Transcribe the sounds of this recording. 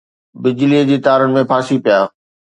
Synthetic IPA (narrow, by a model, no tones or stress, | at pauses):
bɪd͡ʑlid͡ʑiːt̪aːɾəɽɪ̆mẽpʰaːsipijaː